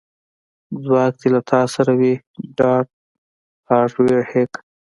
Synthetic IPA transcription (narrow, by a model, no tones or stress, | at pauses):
d͡zwɑːk̚t̪elat̪ʰɑːsaɾawi | ɖɑːʈ̚ | aːʈwehek